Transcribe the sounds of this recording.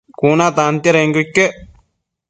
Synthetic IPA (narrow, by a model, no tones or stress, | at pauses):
kuːnaːt̪aːnt̪jɐɾeŋɡukːe